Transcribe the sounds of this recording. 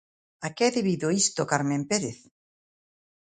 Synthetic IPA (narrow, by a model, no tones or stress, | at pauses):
akɛðeβiðoist̪okaɾmẽmpeɾeθ